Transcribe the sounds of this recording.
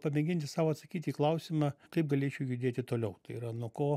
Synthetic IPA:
pɐmʲɛŋʲɡʲɪnʲt̪ʲɪsɑːʋoːɐt̪sɐkʲiːt̪ʲiːklˠɐʊsʲɪmɑkɐɪp̚ɡɐlʲeːt͡ʃʲɛʊjʊd̪ʲeːt̪ʲɪt̪oːlʲɛʊt̪ɐɪiɾɐnuɔkoː

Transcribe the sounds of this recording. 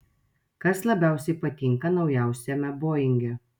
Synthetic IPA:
kɐslˠɐbʲæˑʊsʲɛɪpɐt̪ʲɪŋkɐnɒʊjæˑʊsʲɛmʲɛboːjɪŋʲɡʲɛ

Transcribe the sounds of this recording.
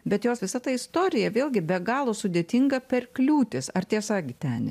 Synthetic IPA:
bʲɛt̪joːsʋʲɪsɐt̪ɐɪst̪oːɾʲɪjɛʋʲeːlʲɡʲɪbʲɛɡɑːlˠoːsʊd̪ʲeːt̪ʲɪŋɡɐpʲɛrklʲuːt̪ʲɪsɐrt̪ʲiɛsɐɡʲɪt̪ʲɛn

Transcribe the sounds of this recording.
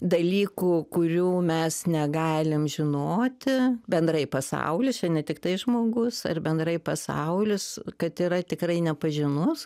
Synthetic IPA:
d̪ɐlʲiːkukʊɾʲuːmʲɛsnʲɛɡɑːlʲɪmʒʲɪnoːt̪ʲɪbʲɛnd̪ɾɐɪpɐsɐ̰ʊlʲɪst͡ʃʲɛnʲɛt̪ʲɪkt̪ɐɪʒmoːɡʊsɐ̰rbʲɛnd̪rɐɪpɐsɐ̰ʊlʲʊskɐt̪iːɾɐt̪ʲɪkrɐɪnʲɛpɐʒʲɪnʊs

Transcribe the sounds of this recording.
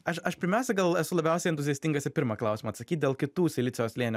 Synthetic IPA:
ɐʃɐʃpʲɪɾʲmʲæʊsʲɛɡɐlˠɛsʊlˠɐbʲɛˑʊsʲɛɪnt̪ʊzʲijɛsʲt̪ʲɪŋɡɐsʲɪpʲɪɾmɑːklˠɑˑʊsʲːmɐːt̪sɐkʲiːt̪̚ʲd̪ʲeːlˠkʲɪt̪uːsʲɪlʲɪtsʲɪjoːslʲeɛnʲ

